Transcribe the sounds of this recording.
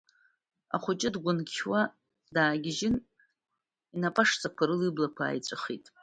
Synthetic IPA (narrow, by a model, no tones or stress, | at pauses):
a̰χʷʊt͡ʃʼɪdɡʷʊnkʲʰwa | daːɡʲɪʒɪn | inapʼaʂt͡sʼakʷʰaɾɨliblakʷʰa̰ːjt͡sʷʼɨχitʼ